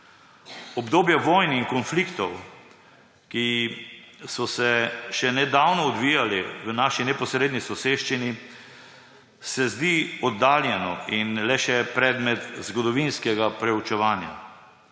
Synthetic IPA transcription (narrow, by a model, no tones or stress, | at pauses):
ɔbd̪oːbjaʋɔːjniŋkɔnflikt̪ɔw | ki | sɔsɛʃɛnɛd̪aːwnɔːd̪ʋijaliʋənaːʃinɛpɔsɾed̪nisɔseːʃt͡ʃini | sɛzd̪iɔd̪ːaːljɛnɔinlɛʃɛpɾɛːd̪mɛt̪zɡɔd̪ɔʋinskɛɡapɾɛut͡ʃɛʋaːnja̰